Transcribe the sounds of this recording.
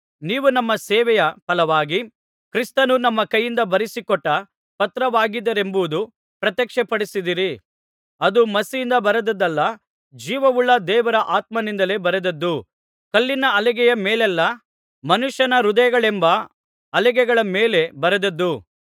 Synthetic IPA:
niːʋunɐmːɐsɛːʋɛjɐpɐlɐʋaːɡi | kɾist̪ɐnunɐmːɐkɐjːind̪ɐbɐɾisikɔʈːɐ | pɐt̪ɾɐʋaːɡid̪ːɐɾe̞mbuʋud̪u | pɾɐt̪jɛkʂɛpɐɽisid̪iɾi | ɐd̪umɐsijind̪ɐbɐɾɐd̪ɐd̪ɐlːɐ | d͡ʒiːʋɐʋuɭːɐd̪ɛːʋɐɾɐʔaːt̪̚mɐnind̪ɐle̞bɐɾɐd̪ɐd̪ːu | kɐlːinɐɐlɛɡɛjɐmeːlɛlːɐ | mɐnuʃjɐnɐɾud̪ɐjɐɡɐɭembɐ | ɐlɛɡɛɡɐɭɐmeːle̞bɐɾɐd̪ɐd̪ːu

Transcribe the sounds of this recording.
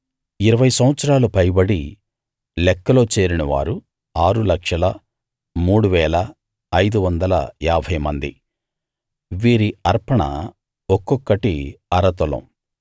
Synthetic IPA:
iɾɐʋɐjsɐmʋɐt̪sɐɾaːlupɐjbɐɽi | lɛkːɐlo̞ːt͡ʃe̞ːɾinɐʋa̰ːɾu | aːɾulɐkʂɐlɐ | muːɽuʋɛːlɐː | jd̪uʋɐnd̪ɐlɐ̰jaːbʱɐjmɐnd̪i | ʋiːɾiɐɾpɐɳɐ̰ | ɔkːɔkːɐʈiɐɾɐt̪ɔlɐ̰m

